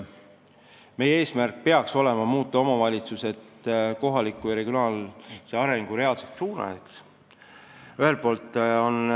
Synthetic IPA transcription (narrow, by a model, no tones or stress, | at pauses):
me̞jee̞ːsmærk̚pe̞ɑkso̞le̞mɑmuːt̪ːˑɑo̞mɑvɑlʲit̪suse̞t̪ko̞ɦɑlikːˑujɑɾeɡjonɑːlseɑɾe̞ŋɡ̥uɾe̞ɑlset̪suːnɑ̰jeks | yɦe̞lpo̞ːlt̪ːˑo̞n